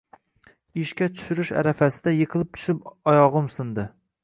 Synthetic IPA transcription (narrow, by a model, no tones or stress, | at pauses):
iʃkʲɛt͡ʃʰy̥ʃyɾyʃæ̰ɾɛfæsɪd̪ɛjeqʰəlˠɨp̚t͡ʃ̪ʰy̥ʃyp̚ɑjɑʁʊmsɨnd̪ɨ